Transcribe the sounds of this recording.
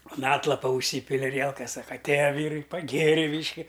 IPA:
ʊn ˈɑːtlˠɐpɐ ʊʃʲˈsʲiːpʲɪlʲɪ ɐˈrʲiɛlˠkɐs ˈsɑːkɐ ɐtʲˈeːjɛ ˈʋʲiːrɐɪ pɐˈɡʲeːrʲɪ ˈbʲiːʃʲkʲɪ

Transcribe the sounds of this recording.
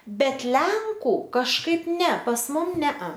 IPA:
ˈbʲɛt ˈlʲɛŋkʊ kɐʃˈkɐɪp ˈnʲɛ pɐs ˈmʊm ˈnʲɛɐ

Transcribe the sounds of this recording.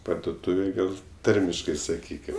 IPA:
pɐrdoːˈtuːʋʲeːj ˈɡɐlʲ ˈtɐrʲmʲɪʃkɐɪ sɐˈkʲiːkʲɪm

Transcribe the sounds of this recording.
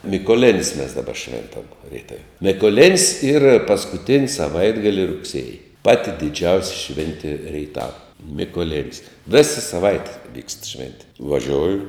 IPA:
mʲiːkoːˈlʲɪnʲsʲ mʲɛs dɐˈbɐ ˈʃʲʋʲɛntɐm rʲiɛˈtɐw mʲɪkoːˈlʲɪnʲsʲ iːr pɐskʊˈtʲɪnʲsʲ sɐˈʋɐɪdɡɐlʲɪ rʊkˈsʲeːjɪ ˈpɑːtʲɪ dʲɪˈd͡ʒʲɛʊsʲɪ ˈʃʲʋʲɛnʲtʲɪ rʲɛɪˈtɑːʋɐ mʲɪkoːˈlʲɪnʲsʲ ˈʋʲeːsɐ sɐˈʋɐɪtʲɛ ʋʲiːkst ˈʃʲʋʲɛnʲtʲɪ ʋɐˈʒʲoːjʊ

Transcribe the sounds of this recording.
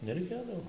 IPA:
nʲɛrʲɛɪˈkʲeːdɐʋoː

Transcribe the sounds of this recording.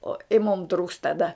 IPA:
oː ɪ mʊm truːks tɐˈdɐ

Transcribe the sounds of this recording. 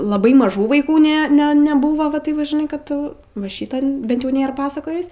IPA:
lˠɐˈbɐɪ mɐˈʒuː ʋɐɪˈkuː ˈnʲɛ ˈnʲɛ nʲɛˈbuːʋoː ʋɐ ˈtɐɪp ʋɐ ʒʲɪˈnɐɪ kɐt ʋɐ ˈʃʲiːtɐn ˈbʲɛnt jɛʊ ˈnʲeːr ˈpɑːsɐkoːjɪs

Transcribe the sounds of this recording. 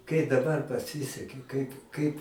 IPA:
kɐɪ dɐˈbɐr pɐˈsʲɪsʲɛkʲɪ kɐɪp ˈkɐɪp

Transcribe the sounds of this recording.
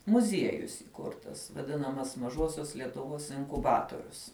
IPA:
mʊˈzʲiɛjʊs iːˈkʊrtɐs ʋɐˈdʲɪnɐmɐs mɐˈʒoːsʲoːs lʲiɛtʊˈʋoːs ɪŋkʊˈbɑːtoːrʲʊs

